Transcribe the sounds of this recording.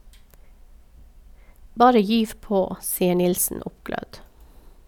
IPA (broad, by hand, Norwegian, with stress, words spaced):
ˈbɑːɾə ˈjyːʋ ˈpoː ˈsiːə ˈɳɪlsn̩ ˈʊpˌɡlœd